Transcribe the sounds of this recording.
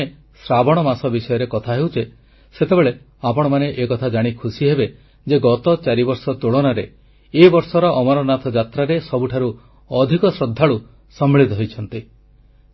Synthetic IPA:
e | sɾabɔɽ̃ɔmasɔbisɔjɔɾekɔt̪ʰaɦewt͡ʃʰe | set̪ebeɭe | apɔɽ̃ɔmaneʔekɔt̪ʰad͡ʒaɽ̃ikʰusiɦebe | d͡ʒeɡɔt̪ɔt͡ʃaɾibɔɾsɔt̪uɭɔnaɾe | ebɔɾsɔɾɔʔɔmaɾɔnat̪ʰɔd͡ʒat̪ɾaɾesɔbuʈʰaɾu | ɔd̪ʱikɔsɾɔd̪ʱːaɭu | sɔmːeɭit̪ɔɦojt͡ʃʰɔnt̪i

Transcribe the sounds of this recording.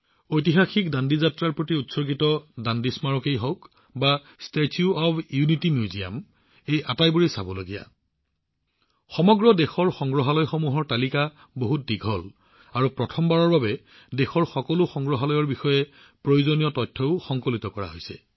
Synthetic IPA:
ojtiɦaxikdandizatɹaɹpɹotiutsɔɡitɔdandismaɹɔkejɦɔk | ba | stetʰjuɔbjunitimjuzija̰m | ejatajbuɹisabɔloɡija̰ | xɔmɔɡɹɔdexɔɹxɔŋɡɹɔɦalɔjxomuɦɔɹtalika | boɦut̚diɡʱɔl | aɹupɹɔtʰɔmbaɹɔɹbabɛ | dexɔɹxɔkɔlʊxɔŋɡɹɔɦalɔjɔɹbixɔjɛ | pɹojuzonijɔtɔjtʰːɔʊxɔŋkolitɔkɔɹa̰ɦojsɛ̰

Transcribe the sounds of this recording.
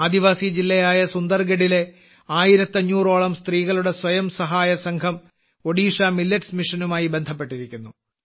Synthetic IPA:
aːd̪iʋaːsid͡ʑilːɐjaːjɐsund̪ɐrɡeɽile̞ | aːjiɾɐt̪ːɐɲːuːroːɭɐmst̪riːɣɐɭuɽe̞swɐjɐmsɐɦaːjɐsɐŋɡʰʱɐm | o̞ɽiːʂamilːɐtsmiʂɐnumaːjibe̞nd̪ʱɐpːe̞ʈːiɾikʲːunːu

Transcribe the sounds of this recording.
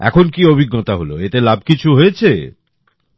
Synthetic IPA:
ɛ̰kʰonkiobʱiɡːɔt̪aɦolo̰et̪elab̚ʱkit͡ɕʰuɦojet͡ɕʰe

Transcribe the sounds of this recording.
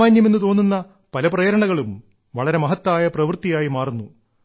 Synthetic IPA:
aːɲjɐmenːɨt̪o̞ːnːunːɐ | pɐlɐprɐjɐɾɐɳɐɣɐɭum | ʋɐɭɐɾe̞mɐɦɐt̪ːaːjɐprɐʋrt̪ijaːjimaːrunːu

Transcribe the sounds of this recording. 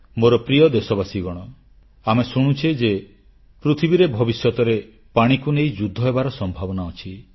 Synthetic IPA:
moɾɔpɾijɔd̪esɔbasiɡɔɽ̃ɔ | amesuɽ̃ut͡ʃʰed͡ʒe | pɾut̪ʰibiɾebʱɔbisjɔt̪ɔɾe | paɽ̃ikunejd͡ʒud̪ʱːɔɦebaɾɔsɔmbʱabɔnaɔt͡ʃʰi

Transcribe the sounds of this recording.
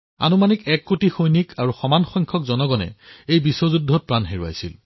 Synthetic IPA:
a̰numanikɛkːotixojnikʰaɹuxɔmanxɔjŋkʰɔkzɔnɔɡɔnɛ̰ejbisɔzudʱːɔt̚pɹanɦeɹua̰jsḭl

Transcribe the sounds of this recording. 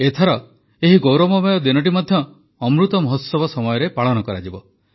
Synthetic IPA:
et̪ʰɔɾɔ | eɦiɡowɾɔmɔbɔjɔd̪inɔʈ̬imɔd̪ʱjɔː | mɾut̪ɔmɔɦɔt̪sɔbɔsɔmɔjɔɾepaɭɔnɔkɔɾa̰d͡ʒibɔ

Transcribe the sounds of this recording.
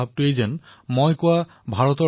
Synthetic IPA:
ab̚tʊejzɛnmojkʊa | bʱaɹɔtɔ

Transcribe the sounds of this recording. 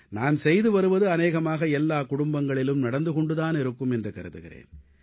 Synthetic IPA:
naːnsɛjðɯʋɐɾɯʋɐðɯɐneːɣɐmaːɣɐɛlːaːkʊɽʊmbɐŋɡɐɭɪlɯmnɐɽɐnd̪ɯkɔɳɖɯðaːnɛɾɯkːɯmɛndrɯkɐɾɯt̪ːɯɣɪɾḛːn

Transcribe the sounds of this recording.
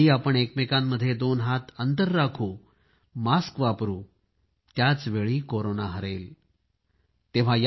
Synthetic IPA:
iːapəɳekmekãmːəd̪ʱːjed̪onɦat̪ənt̪əɾːakʰuː | maskʋapɾuː | t̪jat͡sʋeɭiːkoɾonaɦəɾel | t̪eʋ̤aj

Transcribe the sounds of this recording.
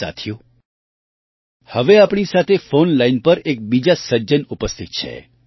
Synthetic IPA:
a̰t̪ʰjũ | həʋeapɳisat̪ʰefonlainpəɾek̚bid͡ʒasəd͡ʒənupəst̪ʰit̪̚t͡ʃʰḛ

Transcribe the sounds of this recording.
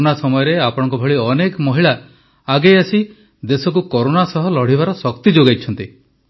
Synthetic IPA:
nasɔmɔjɔɾeapɔɽ̃ɔŋk̬ubʱɔɭiɔnekmɔɦiɭaː | ɡejasi | d̪esɔk̬ukɔɾonasɔɦɔlɔɽ̤ibaɾɔsɔkt̪id͡ʒoɡajt͡ʃʰɔnt̪i

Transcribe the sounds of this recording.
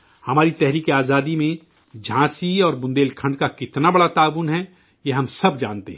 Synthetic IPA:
hɐmaːɾit̪ɛɦɾiːkeaːzaːd̪imẽ | d͡ʒʱãːsiɔːɾbʊ̃nd̪eːlkʰɐ̃ɳɖkakɪt̪nabɐɽat̪aːʋuːnɦɛ | jeɦɐmsɐbd͡ʒa̰ːnt̪eɦɛ̃

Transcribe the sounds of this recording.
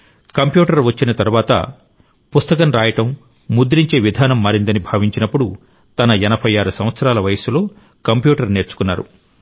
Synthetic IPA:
kɐmpjuːʈɐɾʋɐt͡ʃːinɐt̪ɐɾuʋaːt̪ɐ̰ | pust̪ɐkɐnɾaːjɐʈɐmː | ud̪ɾiɲt͡ʃe̞ːʋid̪ʱaːnɐmːaːɾind̪ɐnibʱaːʋiɲt͡ʃinɐpːuɽu | t̪ɐnɐɛnɐbʱɐjaːɾusɐmʋɐt̪sɐɾaːlɐʋɐjɐsulo̞ː | kɐmpjuːʈɐɾne̞ːɾt͡ʃu̥kunːa̰ːɾṵ

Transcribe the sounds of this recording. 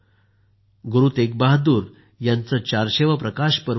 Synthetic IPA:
ɡuɾuːt̪ek̚baɦd̪uːɾ | jant͡sət͡ɕaɾɕeʋəpɾəkaɕpəɾ

